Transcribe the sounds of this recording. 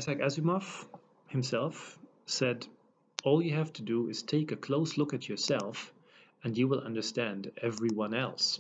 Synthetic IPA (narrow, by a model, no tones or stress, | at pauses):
sækæzɨmɔf | hɨ̃msɛlˠf | sɛd | ɔlˠjɨhæftʰɨdəɪz̥tʰeɪkɨkʰl̥oʊslʊkɨt͡ʃə˞sɛlˠf | ɨ̃njɨwɪlˠʔʌ̰̃ndə˞stæ̃ndɛvɹiwʌ̃nɛlˠs